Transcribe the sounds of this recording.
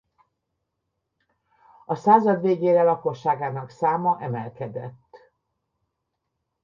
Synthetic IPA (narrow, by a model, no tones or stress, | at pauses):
ɒsaːzɒd̪ʋeːɡeːɾɛlɒko̞ʃːaːɡaːnɒksaːmɒʔɛmɛlkɛd̪ɛt̪ː